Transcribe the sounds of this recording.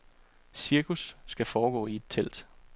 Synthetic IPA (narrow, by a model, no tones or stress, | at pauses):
siɐkʰusːɡ̥æfɒːɡ̥ɔ̰̽ːie̝d̥̚t͡sʰel̰d̥